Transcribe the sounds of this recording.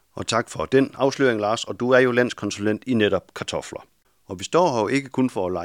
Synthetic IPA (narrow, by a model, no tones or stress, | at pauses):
ɒ̽t͡sʰɑ̈ɡ̥fɒ̽d̥enɑ̈ʊsly̰ɐ̰eŋlɑ̈ːsɒ̽d̥uæɐjo̝læn̰skʰɒ̽nsulen̰d̥ineɾ̥ɒ̽b̥kʰɑ̈t͡sʰɒ̽flɐ | ɒ̽ʋisd̥ɒ̰ːoʔe̝ɡ̥əkʰonfɒlɑ̈